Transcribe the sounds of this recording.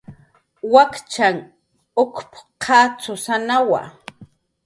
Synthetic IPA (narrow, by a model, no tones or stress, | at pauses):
wakt͡ʃaŋ | ʊkpqʰaːt͡sʊsanawa̰